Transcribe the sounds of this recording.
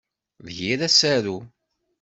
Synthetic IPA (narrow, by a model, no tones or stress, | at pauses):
ðçiɾæsæɾu